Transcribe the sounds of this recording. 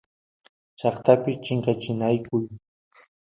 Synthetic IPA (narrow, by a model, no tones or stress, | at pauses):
t͡ʃɑχt̪apɪt͡ʃɪŋkat͡ʃɪnajkʊj